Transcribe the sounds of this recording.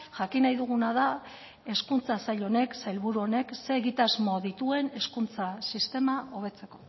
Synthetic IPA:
ʝakinajðuɣ̞unaða | e̞skunt͡sasaʎo̞ne̞ksajlβuɾuo̞ne̞kse̞ːɣit̪azmo̞ðit̪ue̞ne̞skunt͡sasist̪e̞mao̞βe̞t͡se̞ko̞

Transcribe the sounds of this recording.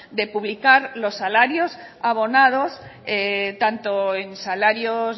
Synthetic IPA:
d̪epuβlikaɾlo̞sːalaɾjos | aβ̞onað̞oset̪ant̪oensalaɾjoz

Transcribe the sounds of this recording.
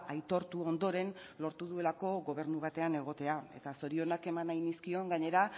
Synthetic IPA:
ʔajt̪o̞ɾt̪uo̞nd̪o̞ɾe̞nlo̞ɾt̪uðue̞lako̞ɣo̞β̞e̞ɾnuβat̪e̞ane̞ɣ̞o̞t̪e̞ae̞̰t̪aso̞ɾio̞nake̞manajniskio̞ŋɡaɲe̞ɾa

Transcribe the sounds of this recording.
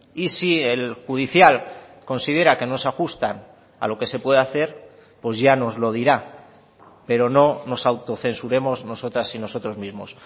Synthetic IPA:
isielxuð̞iθjal | ko̞nsið̞e̞ɾake̞no̞saxust̪an | a̰lo̞ke̞se̞pwe̞ðeaθe̞ɾ | po̞zʝano̞zlo̞ð̞iɾa | pe̞ɾo̞no̞no̞sawt̪o̞θe̞nsuɾe̞mo̞zno̞so̞t̪ɾasino̞so̞t̪ɾo̞zmizmo̞s

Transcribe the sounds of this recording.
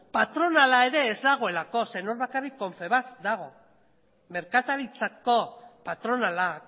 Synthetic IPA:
pat̪ɾo̞nalae̞ɾe̞ːzd̪aɣ̞o̞e̞lako̞se̞noɾβakarikːo̞ɱfe̞βazd̪aɣ̞o̞ | me̞ɾkat̪aɾit͡sako̞pat̪ɾo̞nala

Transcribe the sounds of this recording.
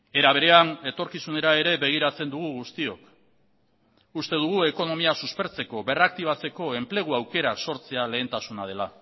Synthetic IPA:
e̞ɾaβ̞e̞ɾe̞ane̞t̪o̞ɾkisune̞ɾae̞ɾe̞be̞ɣ̞iɾat͡se̞nd̪uɣ̞uɣust̪io̞k | ust̪e̞ðuɣ̞ue̞ko̞no̞miasuspe̞ɾt͡se̞ko̞βe̞rak̚t̪iβ̞at͡se̞ko̞e̞mple̞ɣ̞uawke̞ɾakso̞ɾt͡se̞ale̞ːnt̪asunað̞e̞la

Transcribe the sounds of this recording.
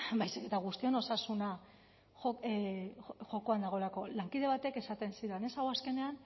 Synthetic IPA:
bajsike̞t̪aɣ̞ust̪io̞no̞sasuna | o | ʝo̞ko̞and̪aɣ̞o̞lako̞laŋkiðe̞β̞at̪e̞ke̞sat̪e̞nsiɾene̞sawaske̞ne̞an

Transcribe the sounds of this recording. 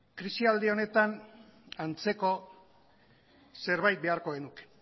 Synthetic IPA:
kɾisiald̪eo̞ne̞t̪anant͡se̞ko̞ | se̞ɾβajt̪̚be̞aɾko̞ɣe̞nuke̥

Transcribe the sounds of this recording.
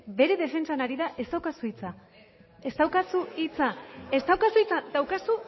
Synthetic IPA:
be̞ɾe̞ð̞e̞fe̞nt͡sanaɾiðaʔest̪awkasuit͡sa | e̞st̪awkasuit͡sae̞st̪awkasuit͡sad̪awkasu

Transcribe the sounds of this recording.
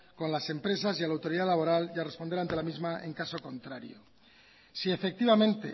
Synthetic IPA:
ko̞nlase̞mpɾe̞s̬azjalawt̪o̞ɾiðalaβo̞ɾalʝare̞spo̞nd̪eɾant̪e̞lamizmae̞̰ŋkaso̞ko̞nt̪ɾaɾjo̰ | sie̞fek̚t̪iβamẽ̞nt̪e̞̰

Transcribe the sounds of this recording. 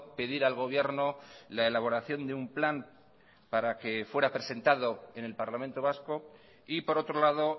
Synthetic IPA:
pe̞ðiɾalɣ̞o̞β̞je̞ɾnolaelaβ̞o̞ɾaθjo̞nd̪eumplan | paɾake̞fwe̞ɾapɾe̞se̞nt̪aðo̞e̞ne̞lpaɾlamẽnt̪o̞β̞asko̞ | ipo̞ɾo̞t̪ɾo̞laðo

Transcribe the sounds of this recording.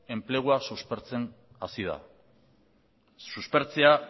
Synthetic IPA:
e̞mple̞ɣ̞uasuspeɾt͡se̞n | asið̞a̰ | suspe̞ɾt͡se̞a

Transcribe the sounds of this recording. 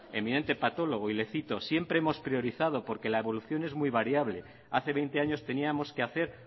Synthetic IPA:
e̞mĩne̞nt̪e̞pat̪o̞lo̞ɣ̞oile̞θit̪o̞sje̞mpɾe̞emo̞spɾioɾiθað̞o̞po̞ɾke̞laeβo̞luθjo̞ne̞zmujβaɾjaβ̞le̞ | aθe̞βe̞jnt̪e̞aɲost̪e̞niamo̞skeaθe̞ɾ

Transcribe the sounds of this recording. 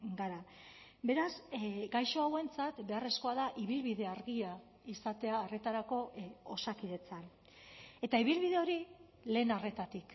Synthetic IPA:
ɡaɾa | be̞ɾazɡajʃo̞awe̞nt͡sat̪be̞are̞sko̞aðaʔiβilβiðe̞aɾɣia | isat̪e̞aːre̞t̪aɾako̞osakiðe̞t͡san | e̞t̪aiβ̞ilβiðe̞o̞ɾi | le̞ːnare̞t̪at̪ik

